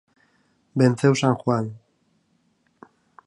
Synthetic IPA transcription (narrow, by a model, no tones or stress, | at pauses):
bent͡sewsaŋxwan